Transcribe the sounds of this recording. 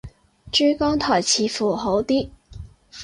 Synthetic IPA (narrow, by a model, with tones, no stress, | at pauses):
ʈ͡ʂy˥kɑ˥ŋt̪ʰɑ˨˩t͡ɕʰi˧˥fu˨˩xo˧˥ʊt̪i˥